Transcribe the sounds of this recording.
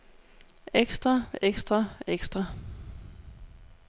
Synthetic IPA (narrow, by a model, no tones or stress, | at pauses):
eɡ̥sd̥ʁɑeɡ̥sd̥ʁɑeɡ̥sd̥ʁɑ